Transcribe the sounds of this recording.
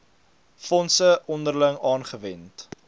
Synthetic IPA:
fɔnsəʔɔndərləŋɑːnχəvɛnt

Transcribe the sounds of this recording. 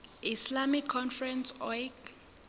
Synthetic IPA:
islamikʰːɔnfrɛnsɔjɡ

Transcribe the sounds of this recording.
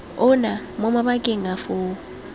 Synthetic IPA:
ʊna | mʊmabakʼɪŋafʊː

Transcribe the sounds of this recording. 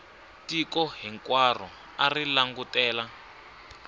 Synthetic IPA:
tikɔɦiŋkwar̤ɔ̰ | arilaŋɡutɛːla

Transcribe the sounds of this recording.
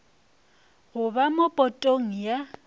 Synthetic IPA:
hʊβamopʼɔtʼoŋ̩ja

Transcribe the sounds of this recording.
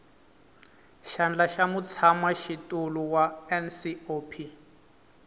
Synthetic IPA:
ʃand͡ɮaʃamut͡sʰamaʃitʼuluwaɛnsiopʰi

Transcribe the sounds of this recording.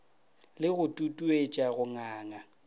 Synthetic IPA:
lɪɣʊtʼutʼuet͡ʃʼaɣʊŋaːŋa

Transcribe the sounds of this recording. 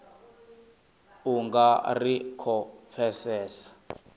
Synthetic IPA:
uŋɡarikʰɔp̪fʰɛsɛːsḁ

